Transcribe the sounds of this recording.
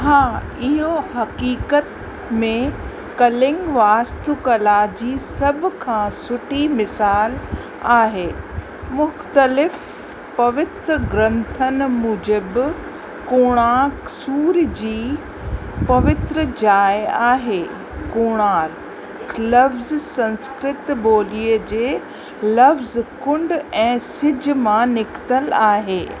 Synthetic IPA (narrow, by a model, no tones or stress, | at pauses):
ɦãː | ɪɦohɐkiːkət̪ | mẽ | kɐlɪ̃ŋɡʋaːst̪ukɐlad͡ʑiːsɐbʱkʰãːsʊʈʰimɪsaːl | aːɦeː | mʊxt̪əlɪf | pɐʋɪt̪ɾəɡɾɐ̃nt̪ʰənmʊd͡ʑəb | koːɽ̃aksuːɾd͡ʑiː | pɐʋɪt̪ɾəd͡ʑaːjaːɦeː | koːɽ̃aːɾ | klɐfzsɐ̃nskɾɪt̪boːliːəd͡ʑeː | lɐfzkʊ̃ɳɖɛ̃ːsɪd͡ʑʱmãnɪkt̪əlaːɦeː